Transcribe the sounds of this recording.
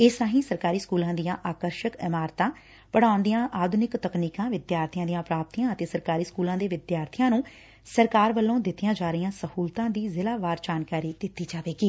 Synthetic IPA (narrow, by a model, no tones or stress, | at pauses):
ɪsãːɦĩːsəɾkaːɾiːskuːlãːd̪ijãːʔaːkəɾʃəkɪmaːɾt̪ãː | pəɽaːʊnd̪ijãːʔaːd̪ʱʊnɪkt̪əkniːkãːʋɪd̪jaːɾt̪ʰɪjãːd̪ijãːpɾaːp̚t̪ijãːət̪eːsəɾkaːɾiːskuːlãːd̪eːʋɪd̪jaːɾt̪ʰɪjãːnũː | səɾkaːɾʋəlːõːd̪ɪt̪ːɪjãːd͡ʒaːɾəɪjãːsəhuːlt̪ãːd̪iːzɪlaːʋaːɾd͡ʒaːnkaːɾiːd̪ɪt̪ːiːd͡ʒaːʋeːɡiː